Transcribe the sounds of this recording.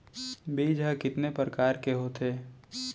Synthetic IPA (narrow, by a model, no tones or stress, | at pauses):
biːd͡ʒɦəkɪt̪nepɾəkaːɾkeɦoːt̪ʰeː